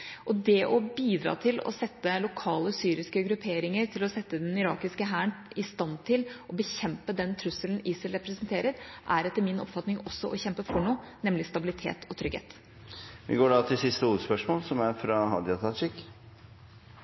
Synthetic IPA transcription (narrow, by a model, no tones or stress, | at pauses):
ʔɔd̪ɛʔɔbiːd̪ɾɑ̰ːt̪ʰɪlɔ̰sɛt̪ːəlʊkʰɑːləsyːɾɪskəɡɾʉpʰeːɾɪŋəɾt̪ʰɪlɔsɛt̪ːəd̪ɛnɪɾɑ̰ːkɪskəɦæːɳɪst̪ɑnt̪ʰɪlʔɔbəçɛmpəd̪ɛnt̪ʰɾʉsəln̩iːsəlɾɛpɾɛsənt̪ʰeːɾəɾʔæɾɛt̪ːəɾmɪnɔ̰pfɑt̪nɪŋɔsːɔʔɔçɛmpəfɔɳoːnɛmlɪst̪ɑbɪlɪt̪ʰḛːt̪ʰɔt̪ʰɾʏɡ̥hḛːt̪ | ʋɪ̰ɡoːɖɑːt̪ʰɪlsɪst̪əuːəspœʂmoːlsɔmæɾfɾɑɦɑ̰d̪ɪɑt̪ʰɑt͡ʃɪk